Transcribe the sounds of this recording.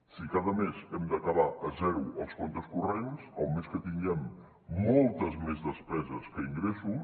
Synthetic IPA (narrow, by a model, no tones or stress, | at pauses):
sikaðəmezɛmd̪əkəβ̞aʔəzɛwəlˠskɔnt̪əskurensowmeskət̪iŋɡɛmː | ɔlˠt̪əzmezðəspɛzəskəiŋɡɾesu